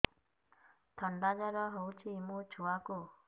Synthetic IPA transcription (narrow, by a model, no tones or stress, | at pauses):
t̪ʌndad͡ʑaɾʌɦʌut͡ɕʰiːmut͡ɕuaɡo